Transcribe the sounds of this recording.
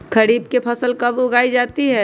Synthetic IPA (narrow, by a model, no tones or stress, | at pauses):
kʰɐɾiːbkepʰɐsəlkɐbʊɡaːid͡ʒaːt̪iɦɛː